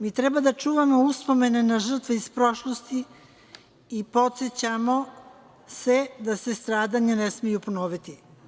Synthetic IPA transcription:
miːt̪ɾɛbad̪at͡ʃuːʋamo̞uspo̞me̞nenaʒr̩t̪ʋeispɾo̞ʃlost̪i | po̞t̪set͡ɕamo̞ | se̞d̪ase̞st̪ɾaːd̪aɲanesmijuponoːʋit̪i

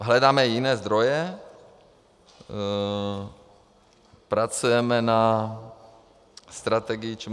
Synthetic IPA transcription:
ɦlɛd̪aːmɛjinɛːzd̪ɾɔjɛ | pɾat͡sujɛmɛna | st̪ɾat̪ɛɡɪjit͡ʃ

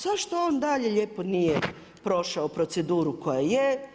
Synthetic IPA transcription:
z̥aʃt̪o̞oːnd̪aʎeʎeːponije | pɾo̞ʃaopɾot̪se̞d̪uːɾukojaje

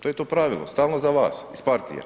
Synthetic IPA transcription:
t̪ojet̪oːpɾaːʋilo̰st̪aːlˠnozaʋa̰ːsispaɾt̪ḭja̰

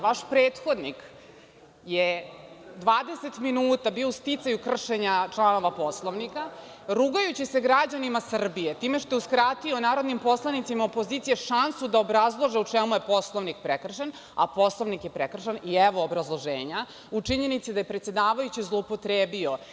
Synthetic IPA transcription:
ʋaʃpɾeːt̪xo̞d̪nik | je | d̪ʋaːd̪e̞set̪minuːt̪abioust̪it̪sajukr̩ʃeɲat͡ʂlˠano̞ʋapo̞slˠoʋnika | ɾuːɡajut͡ɕise̞ɡɾad͡ʑanimasr̩bije̞t̪iːme̞ʃt̪euskɾat̪ionaːɾo̞d̪nimpo̞slˠanit̪simaopo̞ziːt̪sijeʃansud̪aobɾazlˠoʒeut͡ʂemuje̞po̞slˠoʋnik̚pɾekr̩ʃen | a̰po̞slˠoʋnikjepɾekr̩ʃeniɛʋo̞ːbɾazlˠoʒḛːɲa | ut͡ʂiɲe̞nit̪sid̪aje̞pɾet̪sed̪aːʋajut͡ɕizlˠoupo̞t̪ɾeːbio̞

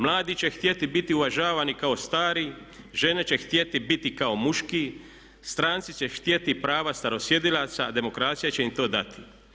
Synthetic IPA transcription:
mlˠaːd̪it͡ɕe̞xt̪je̞t̪ibit̪iuʋaʒaːʋanikao̞st̪aːɾi | ʒe̞ne̞t͡ɕe̞xt̪je̞t̪ibit̪ikaomuʃkiː | st̪ɾaːnt̪sit͡ɕext̪je̞t̪ipɾaːʋast̪aɾo̞sje̞d̪ilaːt̪saːd̪e̞mo̞kɾaːt̪sijat͡ɕe̞imt̪o̞ːd̪at̪i̥

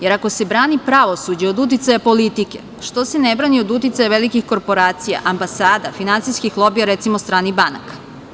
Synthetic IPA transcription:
je̞ɾako̞se̞bɾaːnipɾaʋo̞sud͡ʑeod̪ut̪̬it̪sajapo̞lit̪ike̞̰ | ʃt̪o̞senebɾaːnio̞d̪ut̪it̪ajaʋelikixko̞ɾpo̞ɾaːt̪sija̰ʔambasaːd̪afinantsijskixlˠo̞bijaɾet̪simost̪ɾaːnibana̰kḁ

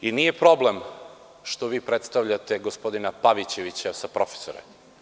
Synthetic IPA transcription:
inije̞pɾo̞blem | ʃt̪oʋiːpɾet̪st̪aʋʎat̪e̞ɡo̞spo̞d̪inapaʋit͡ɕe̞ʋit͡ɕasapɾo̞fe̥soɾḛ

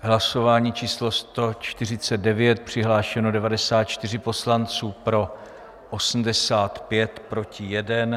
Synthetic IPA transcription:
ɦlaso̞vaːɲiːt͡ʃiːslo̞st̪o̞t͡ʃt̪ɪr̝ɪt͡sɛd̪̚dɛvjɛt̪̚pr̝̥ɪɦlaːʃɛno̞dɛvadɛsaːt̪̚t͡ʃt̪ɪr̝ɪpo̞slant͡suːpɾo̞ | ʔosm̩dɛsaːt̪pjɛt̪pɾo̞cɪjɛdɛn

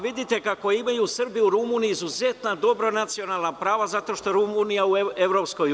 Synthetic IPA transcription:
ʋid̪it̪e̞kako̞imajuːsr̩biuɾumuːniiːzuzet̪nad̪o̞bɾo̞nat̪sio̞naːlˠnapɾaːʋazat̪o̞ʃt̪o̞ɾumunijaue̞ʋɾo̞psko̞j

